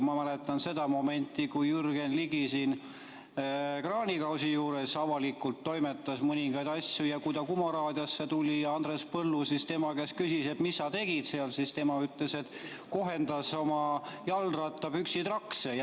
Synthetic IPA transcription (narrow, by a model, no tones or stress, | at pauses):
mɑmælet̪ːˑɑnse̞d̪̥ɑmo̞me̞nʲt̪ːˑikujyrɡ̥e̞nliɡisiːn | krɑːnʲikɑwsijuːɾe̞sɑvɑlikːˑult̪ːo̞jmet̪ˑːɑsmɤnʲiŋɡɑjd̪̥ɑsʲjujɑkujd̪ɑkumɑɾɑːd̪̥jɑsːet̪ulʲijɑɑnd̪respɤlːusist̪e̞mɑke̞skysise̞t̪misːɑt̪e̞ɡ̥it̪seɑlsist̪e̞mɑyt̪lese̞t̪ | ko̞ɦe̞nd̪̥ɑso̞mɑjɑlrɑt̪ˑːɑb̥yksit̪rɑksej